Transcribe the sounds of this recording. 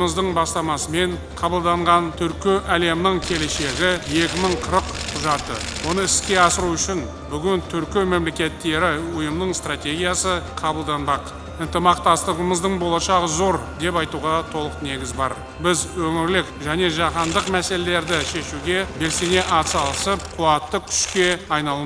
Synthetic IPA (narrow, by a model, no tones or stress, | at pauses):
məzd̪əɴbɑst̪ɑmɑsəme̞ɴ | qʰɑbəlˠd̪ɑɴʁɑnt̪ʰʏɾkʲeʔæle̞mɪnɪɴkʲʰe̞le̞ʃe̞ɡʲɪje̞kʲɪməɴqʰəɾəqʰʊʒɑt̪ə̰wo̞nəɪskʲe̞ɑsəɾuʏʃɪn | bʏɡʲɪnt̪ʰʏɾkʲɪme̞mle̞kʲe̞t̪ːe̞ɾɪʊjəmnəɴst̪rat̪ʲe̞ɡʲijasəqʰɑbəlˠd̪ɑnbɑq | ənt̪əmɑqt̪ɑst̪əʁəməzd̪əɴbolˠɑʃɑʁəzo̞ɾd̪e̞pɑjt̪uʁɑt̪ʰo̞lˠəqne̞ɡʲɪzbɑ̰ɾ | bɪzwɵŋɪɾlɪkʒæne̞ʒɑqɑnd̪əqmæse̞le̞le̞ɾd̪ɪʃe̞ʃuɡʲe̞be̞lse̞ne̞ʔɑt̪sɑlˠəsəp̚qʰuɑt̪ːəkʲʰʏ̥ʃkʲe̞ɑjnɑlˠə